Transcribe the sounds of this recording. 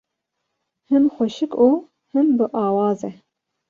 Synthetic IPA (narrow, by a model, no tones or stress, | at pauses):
hɨmxʷɛʃɨkuː | hɨmbɨʔɑːwɑːzɛ